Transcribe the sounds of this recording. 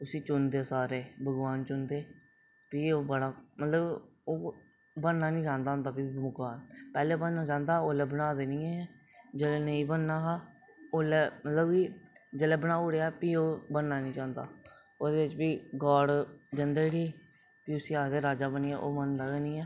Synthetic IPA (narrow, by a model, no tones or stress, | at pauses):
t̪ʊsĩːt͡ʃʊnd̪eːsaːɾeːbʱəɡʋaːnt͡ʃʊnd̪eː | piːoːbəɽaːmət̪ləb | oː | bənːaːnĩːt͡ʃãːnd̪aːɦʊ̃nd̪aːbiːmʊkaːnpɛːleːobənːaːt͡ʃãːnd̪aːoːlɛːbənaːd̪eːnĩːɛ | d͡ʒeːleːnəĩːbənːaːɦaː | oːlɛːmət̪ləbkiːd͡ʒeːlɛːbənaːʊɽeːaɛpiːoːbənːaːnĩːt͡ʃãːnd̪a̰ː | oːd̪eːɪt͡ʃbiːɡaːɽd͡ʒənd̪eːɽiː | piːʊsiːaːd̪eːɾaːd͡ʒaːbəniːɛːʔoːmənd̪aːeːnĩːɛː